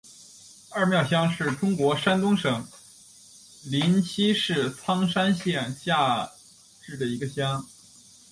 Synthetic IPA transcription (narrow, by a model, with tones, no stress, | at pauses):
ɐ˞˥˧˩mjɑ˥˩ʊɕjɑ˥ŋʂɻ̩˥˩ʈ͡ʂʊ˥ŋkwɔ˧˥ʂa˥nt̪ʊ˥ŋʂɤ˨˩˦ŋ | li˧˥nɕi˥ʂɻ̩˥˩t͡sʰɑ˥ŋʂa˥nɕjɛ˥˩nɕja˥˧ | ʈ͡ʂɻ̩˥˩d̪ə˩i˧˥ɡə˧ɕjɑ˥ŋ